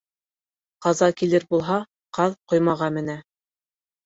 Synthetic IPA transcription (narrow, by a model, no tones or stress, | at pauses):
qɑzɑkilɘɾbulˠɦɑ | qɑðqŏjmɑʁɑmɘ̆næ